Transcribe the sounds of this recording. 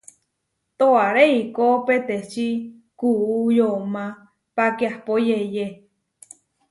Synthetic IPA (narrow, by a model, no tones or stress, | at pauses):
t̪oaɾeikopet̪et͡ʃi | kuujomã | pakiahpojeje